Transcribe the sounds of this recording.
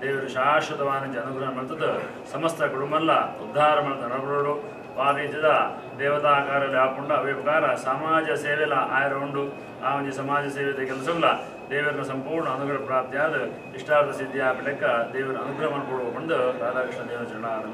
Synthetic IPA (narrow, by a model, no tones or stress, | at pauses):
d̪eːʋɐɾɐʃaːʂɐt̪ɐʋaːnɐd͡ʒɐːnuɡɾɐnɐmɐlt̪ɐd̪ɐ | sɐmɐst̪ʰɐɡuɽumɐlːɐ̰ud̪ʱːaːɾɐmɐlt̪ɐnɐbɐɽɐɭu | ʋaːd̪iːt͡ʃɐd̪a | d̪ɛːʋɐd̪aːkaːɾɐɐlijaːɐpuɳɖɐʋeːpɐkaːɾɐsaːmaːd͡ʒɐseːʋɛlɐʔaːjɐɾɐɦoɳɖu | aːʋɐɲd͡ʒisɐmaːd͡ʒɐseːʋet̪ɐkɐlɐs̬ɐmɐlɐ | d̪eːʋɐɾinɐsɐmpuːɾɳɐːnuɡɾɐɐpɾaːɾp̚t̪jaːd̪ɐ | iʂʈaːt̪ɐsid̪jaːbɐlɐkːɐd̪ɛːʋɐɾɐɐnuɡɾɐmɐnɐpuːɽuɐɦoɳd̪ɐd̪aːlɐːɐkʂɐd̪iːnɐt͡ʃɐɾɐɳaːnɐn